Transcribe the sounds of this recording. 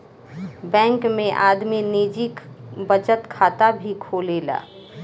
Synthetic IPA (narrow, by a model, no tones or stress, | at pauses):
bɛ̃ːŋkmẽʔaːd̪miniːd͡ʒikbət͡ʃət̪kʰaːt̪abʱikʰoːleːla̰ː